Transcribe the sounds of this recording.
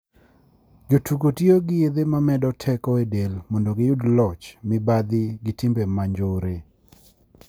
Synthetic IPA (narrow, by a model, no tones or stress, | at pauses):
d͡ʒotukotioɡɪed̪emamɛdɔtʰɛkɔedelmondoɡɪjʊdlɔt͡ʃmɪbad̪ɪɡɪtɪmbemaɲd͡ʒoɾe